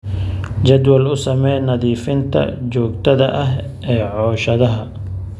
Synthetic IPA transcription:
t͡ʃɐd̪wɐlʊsɐmɛjnɐðiːfɪnt̪ʰɐ̰t͡ʃɔːɡt̪ʰɐðɐʔɐɦʔɛːʕɔːʃɐðɐɦɐ

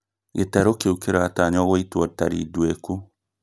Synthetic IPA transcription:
etaɾokeukeɾataɲɔɣoitwɔtaɾḭdweku

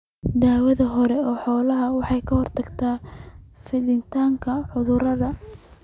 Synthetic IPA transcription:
d̪aːwɐðɐɦɔɾɛɔːħɔːlɐɦɐwɑħɑjkʰɐhɔrt̪ʰɐɡt̪ʰaːfɪlɪnt̪ʰaːŋkʰɐħʊðʊrɐðɐ

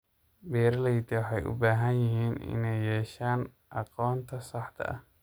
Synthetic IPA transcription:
bɛːɾlɛjd̪ɪwɑħɑjʔʊ̰baːɦɐnjɪɦiːnɪ̰nɛjːɛːʃaːn | ʔɑqɔːnt̪ʰɐsɑħt̪ʰɐ̰ʔɐ̰h

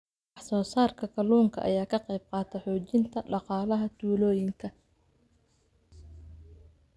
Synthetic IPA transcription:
ɑħsɔːsaːrkʰɐkʰɐlɔːŋkʰɐ̰ʔɐ̰jaːkʰɐqɑjb̚qɑːt̪ʰɛħɔːt͡ʃɪnt̪ʰɐɖɑqɑːlɐɦɐt̪uːlɔːjɪŋkʰɐ

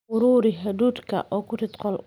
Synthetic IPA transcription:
ʊɾuːɾɪɦɐd̪uːd̪kʰɐ̰ʔɔːkʰʊrɪt̪qɔl

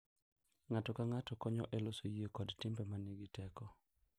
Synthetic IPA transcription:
ŋatɔkaŋatɔkɔɲɔ̰ʔelosojiekɔdtɪmbɛmaniɡɪtɛkɔ

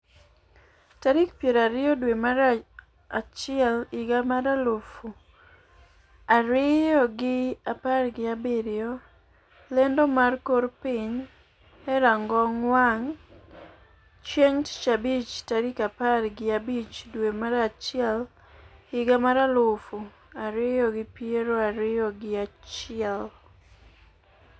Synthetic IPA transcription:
taɾikpjeɾaɾɪɔdwemaɾ | at͡ʃɪɛlɪɡamaɾalofu | aɾɪjɔɡɪaparɡɪabɪɾɪɔ | lɛndɔmarkoɾpɪɲ | ɛɾaŋɡɔŋwaŋ | t͡ʃeŋtt͡ʃabit͡ʃtaɾikaparɡɪabit͡ʃdwemaɾat͡ʃɪɛl | hɪɡamaɾalofu | aɾɪjɔɡɪpieɾoaɾɪjɔɡɪat͡ʃɪɛl

